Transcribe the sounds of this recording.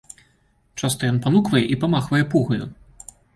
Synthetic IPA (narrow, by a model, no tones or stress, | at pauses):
t͡ʂast̪ɔjɔnpanukvɐjɛʔipamaxvɐjɛpuɣɐjṵ